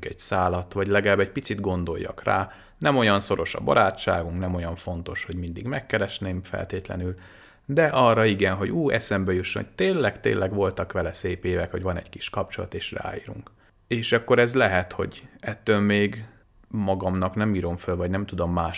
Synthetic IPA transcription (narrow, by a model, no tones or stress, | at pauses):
kɛɟsaːlɒt̪ʋɒɟlɛɡɛlaːbːɛɟpit̪sid̪ɡo̞n̪d̪o̞̰jːɒ̰kra̰ː | nɛmo̞jɒnso̞ɾo̞ʃɒ̰bɒ̰ɾaːt͡ʃt͡ʃːaːɡuŋknɛmo̞jɒɱfo̞nt̪o̞ʃho̞ɟmind̪iɡmɛkːɛɾɛʃneːɱfɛ̰lt̪eːt̪lɛ̰nyl | d̪ɛʔɒrːɒiɡɛnɦo̞ɟuːɛ̰sɛmbɛjuʃːono̥t̪eːnlːɛkt̪ḛːnlʔɛɡʋo̞lt̪ɒkʋɛlɛseːpeːvɛkho̞ɟvɒnɛ̰ɟki̥ʃkɒp̚t͡ʃo̞lɒ̰t̪eːʃra̰ːḭːɾṵŋk | eːʃɒkːo̞ɾɛzlɛɦɛt̪ho̞̰ɟɛt̪ːøːlmeːɡ | mɒɡɒmnɒknɛmiːɾo̞ɱfølvɒɟnɛmt̪ud̪o̞mːaːʃ